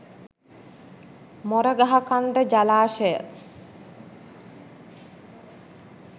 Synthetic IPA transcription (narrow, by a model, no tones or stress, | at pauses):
mɔɾəɡaɦakand̪əd͡ʒalaːʃəjə